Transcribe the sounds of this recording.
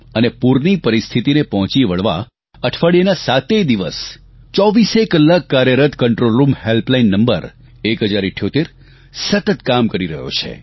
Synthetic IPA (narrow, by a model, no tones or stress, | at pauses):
ənepuɾnipəɾist̪ʰit̪inepɔɦɔ̃t͡ʃiʋəɭʋa̰ | əʈʰʋəɭienasat̪ed̪iʋə̰s | t͡ʃɔʋisekːəlːakːaɾjəɾət̪kəɳʈɾolɾumhelplainːəmbə̰ɾ | ekɦəd͡ʒaɾɪʈʰːjot̪eɾ | sət̪ət̪kamkəɾiɾəɦjo̰t͡ʃʰḛ